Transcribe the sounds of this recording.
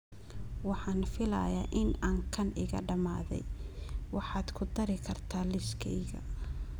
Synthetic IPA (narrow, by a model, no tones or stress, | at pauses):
wɑħɑːnfɪlɐ̰jɐ̰ːʔɪnaːŋkʰɐnɪ̰ɣɐɖɐmaːðɛ̰jwɑħɑːd̪kʰʊd̪ɐɾɪkʰɐrt̪ʰaːlɪskʰɛ̰jɣɐ̰